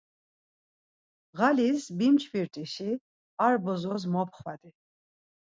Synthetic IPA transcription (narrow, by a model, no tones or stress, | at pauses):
ʁalisbimt͡ʃʰbiɾt̪ʼiʃi | aɾbɔzɔzmɔp̚ʰχvad̪i